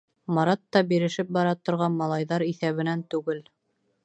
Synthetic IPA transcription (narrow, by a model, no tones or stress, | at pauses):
mɑɾɑt̪ːɑbiɾɘ̆ʃɘp̚bɑɾɑt̪ŏɾʁɑnmɑlˠɑjðɑɾiθæβɘ̆nænt̪ʉɡɘl